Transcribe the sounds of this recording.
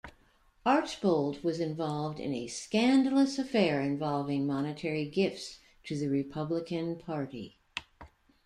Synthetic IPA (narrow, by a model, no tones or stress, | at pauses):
ɑɹt͡ʃb̥oʊlˠd̚wʌzɨ̃ɱvɑlˠvdɨ̰̃nɨ̰skæ̃ndl̩ˠəsɨfɛɹɨ̃ɱvɑlˠvɪ̃ŋmɑnɨtʰɛɹiɡɪfts | tʰɨðɨɹɨpʰʌbləkɨ̃npʰɑɹɾḭ